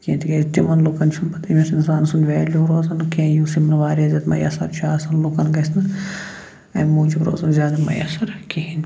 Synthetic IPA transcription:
kẽːt̪ʰiɡest̪imɐnlukɐnt͡ʃʰunbɐt̪imʲisinsaːnsunʋeːluɾoːzɐnkẽːjuːsimɐnɐʋaːɾiɐzʲɐt̪mɐ̰jɐ̰sɐɾt͡ʃʰaːsɐnlukɐnɡɐsnɐ | ɐmuːd͡ʒibɾo̰ːzɐnzʲjaːd̪ɐmɐ̰jɐ̰sɐɾkihin

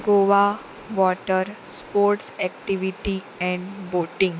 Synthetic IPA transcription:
ɡoːʋa | ʋɔːʈəɾspoːɾʈsɛkʈiʋiʈi | ɛ̃ɳɖboːʈɪ̃ŋɡ

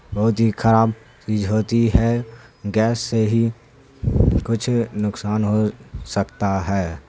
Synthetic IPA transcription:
bɐɦʊt̪ɦikʰəɾaːb | t͡ʃiːzɦoːt̪iɦɛɡɛːsːeɦi | kʊt͡ʃʰnʊksaːnɦosəkt̪aɦɛː

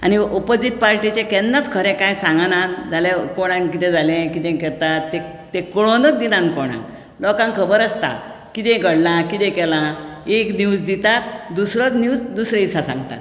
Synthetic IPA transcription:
a̰niopod͡ziʈ̪̚paɾʈit͡ɕẽkɛ̃nd̪ãt͡skʰəɾɛ̃kajsãŋɡanad͡zalẽkɔɽ̃ãŋkit̪ɛ̃d͡zalẽkit̪ɛ̃kɛɾt̪at̪ːe | t̪ekɔɭõd̪ɔt̪̚d̪inãnkɔɽ̃ã̰ŋk | lɔkãŋkʰəbəɾəst̪a̰ | kit̪ɛ̃ɡəɽlãkit̪ɛ̃kɛlãekniwd͡zd̪it̪at̪d̪usɾɔt͡snuwsd̪usɾẽisasã̰ŋɡt̪a̰t̪

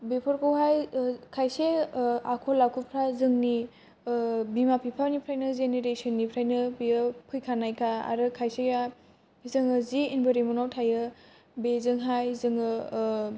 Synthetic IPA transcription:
bepʰɔɾkɯwɦajkʰajseakʰolːakʰupʰɾazɯŋni | bimapʰipʰawnipʰɾajnɯzeneɾesɔnːipʰɾajnɯbijɯpʰɯjkʰanajkʰaa̰ɾɯkʰajseja | izɯŋɯziinbɯɾemunawtʰajɯ | bezɯŋɦajzɯŋɯ

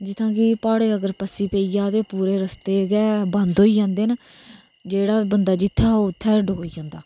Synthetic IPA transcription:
d͡ʒɪt̪ʰːãːkiːpaːɽeːəɡəɾpəsiːpeːiːjaːt̪eːpuːɾeːɾəst̪eːɡɛːbə̃nd̪ɦoːiːd͡ʒãːnd̪eːnː | d͡ʒeːɽaːbənd̪aːd͡ʒɪt̪ʰːaːoːt̪ʰːɛːəɖɦoːiːd͡ʒãːnd̪aː

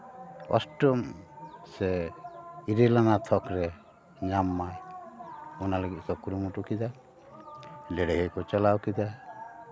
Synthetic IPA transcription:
ɔ̰sʈɔmsɛ | iɾelanat̪ʰɔkɾɛ | ɲamːaj | ɔnaleɡiʔkɔkuɾumuʈukid̪a | lɛɽɛɦekɔt͡ʃalawkid̪a

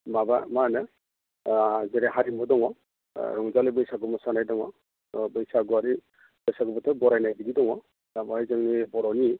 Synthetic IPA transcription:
mabamanɯ | zɛɾɛɦaɾimɔdɔŋɔ | ɾɔŋzalibɯjsaɡɔmɔsanajdɔŋɔ | bɯjsaɡɔaɾi | b̥ɯjsaɡɔbɔtʰabɔɾajnajbididɔŋɔ | amɔzɯŋnibɔɾɔni

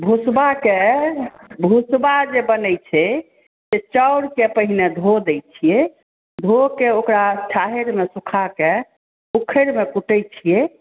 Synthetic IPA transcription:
bʱusbake | bʱusbad͡ʒebənɛjt͡ʃʰɛ | set͡ʃəwɽkepəɦined̪ʱod̪ɛjt͡ʃʰije | d̪ʱokeokɾat͡ʃʰaɦeɾmesukʰake | ukʰəɾmekuʈɛjt͡ʃʰije

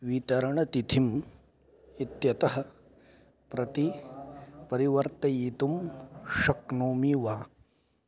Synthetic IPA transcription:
ʋit̪ɐɾɐɳɐt̪it̪ʰim | it̪jɐt̪ɐɦɐ̆ | pɾɐt̪i | pɐɾiʋɐɾt̪ɐjit̪umʃɐknoːmiʋaː

